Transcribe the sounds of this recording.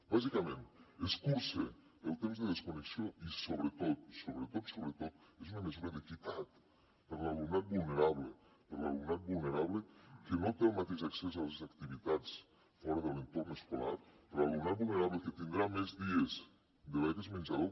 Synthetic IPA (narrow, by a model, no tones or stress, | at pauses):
bazikamẽnt̪eskuɾsḛː | lˠt̪emzðeðeskoneksioisoβɾet̪ot̪soβɾet̪ot̪soβɾet̪ot̪ezunamezuɾaðecit̪at̪̚ | peɾlaβumat̪̚bulneɾaβle | peɾlaβunat̪̚bulneɾaβlekenot̪emat̪izaksesalsezakt̪iβit̪at͡s | foɾaðelent̪oɾnoeskola̰ɾpeɾaβunabulneɾaβleket̪ind̪ɾamezðiez | d̪eβaeʎezmenzaɾo